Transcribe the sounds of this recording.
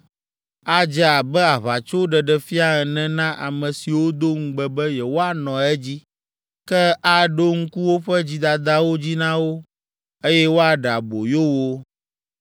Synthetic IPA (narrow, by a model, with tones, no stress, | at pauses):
a˦d͡ʒɛ˦a˨bɛ˦a˨βa˨t͡ʃo˦ɖɛ˨ɖɛ˨fi˦a˦ɛ˨nɛ̃˦nã˦ʔa̰˨mɛ̃˨si˨wo˦d̪o˦ŋ̩˦ɡ͡bɛ˨bɛ˦jɛ˨wo˦a˨nɔ̃˨ɛ˦d͡ʑi˦ | kɛ˦a˦ɖo˦ŋ̩˦ku˦wo˦ɸɛ˦d͡ʑi˦d̪a˨d̪a˦wo˦d͡ʑi˦nã˦wo˦ | e˦jɛ˦wo˦a˨ɖa˨bo˨jo˦wo˦